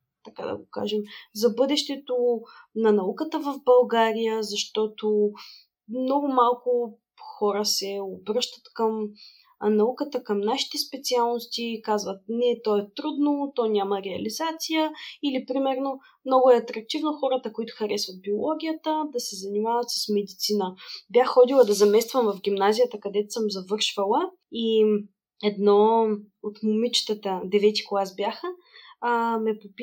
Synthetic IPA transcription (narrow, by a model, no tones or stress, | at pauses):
t̪ɐka̰d̪ɐ̰ɡoka̰ʒɛmzɐbɤd̪ɛʃt̪ɛt̪onɐnɐukət̪əvəvbɐlˠɡaɾijəzɐʃt̪ɔt̪o | mnɔɡʊmalˠkʊ | xɔɾəsɛobɾɤʃt̪ə̥t̪kəm | nɐukət̪əkəmnaʃi̥t̪ɛspɛt̪sialˠnost̪ikazvət̪̚nɛt̪ɔɛt̪ɾud̪not̪ɔnʲamɐɾɛɐlizat̪sijəilipɾimɛɾno | mnɔɡʊɛɐt̪ɾɐk̚t̪ivnoxɔɾət̪əkoit̪ʊ̥xɐɾɛsvɐt̪̚biolˠɔɡʲijət̪əd̪ɐsɛzɐnimavət̪sə̥smɛd̪it̪sinəbjaxxɔd̪ilˠəd̪ɐzɐmɛst̪vəmvɐfɡʲimnazijət̪əkɐd̪ɛt̪ʊ̥səmzɐvɤɾʃvəlˠə | i | ɛd̪nɔ | ot̪mʊmit͡ʃt̪ət̪əd̪ɛvɛt̪i̥koasbʲjaxə | mɛpopʲ